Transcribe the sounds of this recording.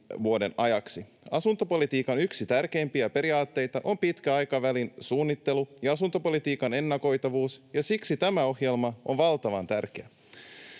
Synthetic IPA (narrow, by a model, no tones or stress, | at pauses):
ʋuo̞de̞nɑjɑksi | ɑsunt̪o̞po̞lit̪iːkɑnyksit̪ærke̞ːmpiæpe̞ɾiɑːt̪ːe̞jt̪ɑʔo̞mpit̪kæɑjkɑʋælinsuːnːit̪ːe̞lujɑɑsunt̪o̞po̞lit̪iːkɑne̞nːɑko̞jt̪ɑʋuːsjɑsiksit̪æmæo̞hje̞lmɑʔonʋɑlt̪ɑʋɑnt̪ærkeæ